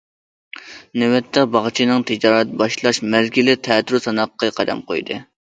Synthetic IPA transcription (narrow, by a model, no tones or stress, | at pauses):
newɛt̪ʰːɛbɑʁt͡ʃʰinɨŋt̪ʰɪd͡ʒɑːɾɛt̪bɑʃlˠɑʃmæzɡʲilɪt̪ʰɛːt̪ɾusɑnɑqʰːɑqʰɑd̪ɑ̰mqojd̪ɨ̰